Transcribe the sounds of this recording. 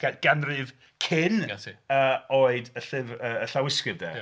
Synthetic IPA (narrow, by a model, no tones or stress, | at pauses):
ɡ̥anrɨv | kʰɪnəoːɨdəɬɪvəəɬawɪskɨvdɛ